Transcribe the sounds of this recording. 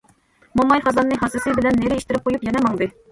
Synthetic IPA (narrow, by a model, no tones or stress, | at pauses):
momɑjχɑzɑnːɨɦɑsɨsɨbɪlɛnːeɾɪeʃt̪ɪɾɪp̚qʰojupjɛnɛmɑŋd̪ɨ